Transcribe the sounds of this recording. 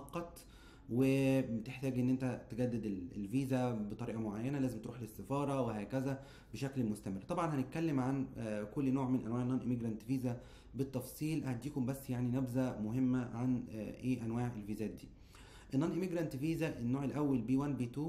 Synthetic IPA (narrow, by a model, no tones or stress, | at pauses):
ɑqːɑt̪ˤ | webet̪eħt̪æːɡʔenːʔent̪æt̪eɡæd̪ːed̪ellviːzæbet̪ˤɑɾiːʔɑmoʕajːænælæːzemt̪eɾuːħlesːefɑːɾˤɑweɦæːkæzæ | beʃæklmost̪æmerːt̪ˤɑbʕɑnhænet̪̚kælːemʕankolːnoːʕmenʔæ̰nwæːʕenːɑnʔemiɡɾˤænt̪fiːzæ | bet̪ˤːɑfsˤiːlhæt̪̚d̪iːkombæsːjaʕninæbzæmoɦemːæʕanʔeːʔænwaːʕelviːzæːt̪̚d̪iː | ʔenːɑnʔemiɡɾˤænt̪fiːzæʔenːoːʕelʔæwːælbiːwænbiːt̪uː